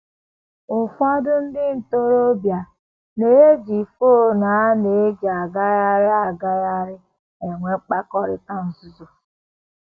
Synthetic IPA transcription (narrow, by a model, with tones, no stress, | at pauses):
ʊ˨fa˦dʊ˦n̩˦dɪ˦n̩˨to˦ɾo˦bja˨ | ne˨je˦d͡ʒi˨fo˦na˨a˦ne˨e˦d͡ʒa˨ɡa˦ja˦ɾɪ˦a˦˨ɡa˦ja˦ɾɪ˦ | e˨ŋʷe˦k͡pa˦kɔ˦ɾɪ˦ta˦n̩˨zu˦zo˨